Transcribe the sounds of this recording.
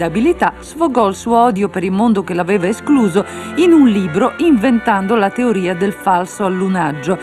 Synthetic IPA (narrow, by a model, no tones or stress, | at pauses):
abilit̪az̥foɡɔilsuoɔd̪jopeɾilmond̪ok̟elavɛːvaeskluːzoinunliːbɾoʔiɱvent̪and̪olat̪eoɾiːad̪elfalsoalːunad͡ʒːo